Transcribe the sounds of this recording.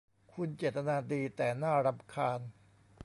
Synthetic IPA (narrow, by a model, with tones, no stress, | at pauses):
kʰu˧nt͡ɕeː˨˩t̪tːa˧naː˧diː˧t̪ɛː˨˩naː˥˩ɾa˧mkʰaː˧n